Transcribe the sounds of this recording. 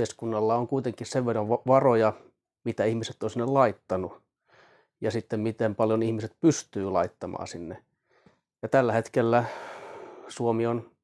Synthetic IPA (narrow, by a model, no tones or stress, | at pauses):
eskunːɑlːɑoŋkuit̪eŋkisseʋʋeroʋʋʋɑrojɑ | mit̪æihmiset̪ːonsinːellɑit̪ːɑnu | jɑsit̪ːemmit̪empɑljonihmiset̪̚pyst̪yːlɑ̰it̪ːɑmɑ̰ːsinːe | jɑt̪ælːæhet̪kelːæ | suomion